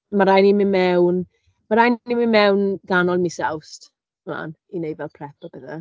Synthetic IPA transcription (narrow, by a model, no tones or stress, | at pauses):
maɾajnimɪnmɛwn | maɾajnnimɪnmɛwnɡanɔlˠmisɛwst | mla̰n | inejvɛlˠpʰrɛpɔbɛða̰